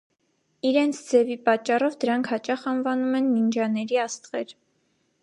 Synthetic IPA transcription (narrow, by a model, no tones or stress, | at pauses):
iɾɛnt͡sʰd͡zɛvipɑt͡ʃːɑrɔvd̪əɾɑŋkʰhɑt͡ʃɑχɑnvɑnumɛnːind͡ʒɑnɛɾiɑst̪ʁɛɾ